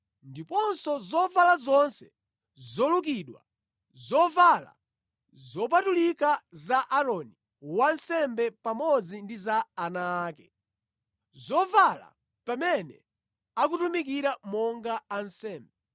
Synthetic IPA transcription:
ndipɔnsɔzɔvalazɔnsɛ | zɔluk̬iɗwa̰ | zɔvala̰ | zɔp̬atulikazaʔaɾɔni | wansɛmbɛpamɔd͡zindizaːnaːkɛ | zɔvala̰ | pamɛnɛ̰ | ak̬utumik̬iɾamɔŋɡaːnsɛːmbɛ

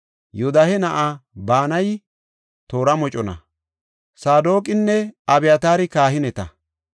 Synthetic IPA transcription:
jʊd̪ɐhɛnɐʔabaːnɐj | t̪o̞ːɾɐmɔt͡ʃʼɔnɐ̰ | saːd̪o̞ːkʼɪnːɛɐbɛjɐt̪aːɾɪkaːhɪnɛt̪ɐ̰

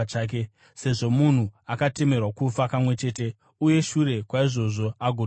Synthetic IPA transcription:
aːk̬e | se̞ʐo̞mun̤uakate̞me̞rwakufakamwe̞t͡ʃe̞ːte̞ | uje̞ʃure̞kwaiʐo̞ʐo̞aɡʱor

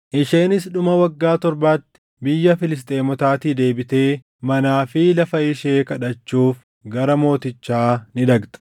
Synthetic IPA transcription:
ʔɪʃe̞ːnɪsɗʊmɐwɐɡːaːt̪ɔɾbaːt̪ːɪ̥ | bɪjːɐfɪlɪs̬t̪ʼe̞ːmɔt̪aːt̪iːd̪e̞ːbɪt̪e̞ː | mɐnaːfɪlɐfɐɪʃe̞ːkɐᶑɐt͡ʃːuːf | ɡɐɾɐmo̞ːt̪ɪt͡ʃːaːnɪd̪ɐɡt̪ɐ̥

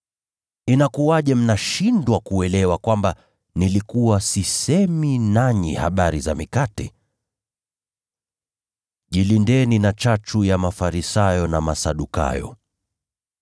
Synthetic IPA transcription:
inakuaʄɛm̩naʃindwakuɛlɛwakwamba | nilikuwasisɛminaɲḭha̰ɓaɾizamikatɛ̰ | ʄilindɛninat͡ʃat͡ʃujamafaɾisajɔnamasaɗuka̰jɔ̰

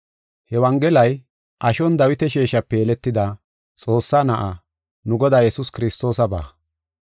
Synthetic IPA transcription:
hɛwɐŋɡɛlɐj | ʔɐʃɔnd̪ɐwɪt̪ɛʃeːʃɐpːɛjɛlɛt̪ːɪd̪ɐ | t͡sʼo̞ːsːaːnɐʔa | nʊɡɔd̪aːjɛsʊskɪɾɪst̪o̞ːsɐba̰ː

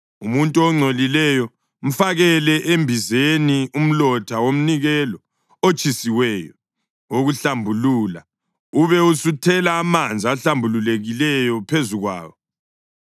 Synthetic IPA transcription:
umuntʼuɔŋ͡ǀʱolilɛjɔ | m̩faɣɛlɛʔembʱizenium̩lɔtʰawom̩niɣɛlɔ | ot͡ʃʼʰisiwɛːjɔ̰ | oɣuɬambʱuluːla̰ | uβɛusutʰɛlaːmand͡zʱiaɬambʱululeɣilɛjɔpʰezuɣwa̰ːwɔ

